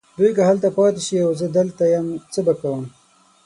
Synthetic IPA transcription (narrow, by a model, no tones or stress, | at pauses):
d̪ujkaɦalt̪apɑːt̪eʃiawzəd̪əlt̪ajamt͡səbakawəm